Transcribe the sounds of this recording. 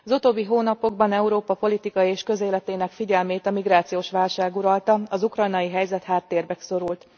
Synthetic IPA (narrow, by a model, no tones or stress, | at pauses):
ɒzut̪oːbːiɦoːnɒpo̞ɡ̚bɒnɛuɾoːpɒpo̞lit̪ikɒjieːʃkø̞zeːlɛt̪eːnɛkfiɟɛlmeːt̪ɒmiɡɾaːt̪sijoːʃʋaːlʃaːɡuɾɒlt̪ɒɒzukrɒjnɒjiɦɛjzɛt̪haːt̪ːeːrbɛkso̞ɾult̪